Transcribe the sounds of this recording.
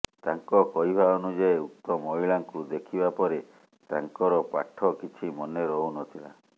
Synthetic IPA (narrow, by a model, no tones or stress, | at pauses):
t̪aŋkɔkɔɦibʱaɔnud͡ʒeeuk̚t̪ɔmɔɦiɭaŋkud̪ekʰibapɔɾe | t̪aŋkɔɾɔpa̰ʈʰːɔkit͡ʃʰimɔneɾɔunɔt̪ʰila̰